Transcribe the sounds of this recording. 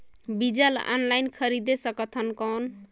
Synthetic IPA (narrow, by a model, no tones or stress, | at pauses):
bid͡ʒal̰a̰nlajnkʰʌɾid̪esʌkʌt̪ʰʌnkɔn